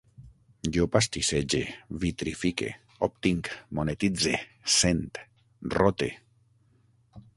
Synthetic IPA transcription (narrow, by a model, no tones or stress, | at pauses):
jopast̪ised͡ʒevit̪ɾifikḛ | op̚t̪iŋkmonet̪id͡zesent̪ | rot̪ḛ